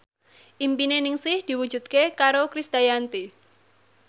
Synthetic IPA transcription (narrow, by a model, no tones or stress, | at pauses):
ʔimpinenɪŋsɪhd̪̥i̤wu̥d͡ʒ̥ṳd̪̚kekaɾokɾist̪ajant̪i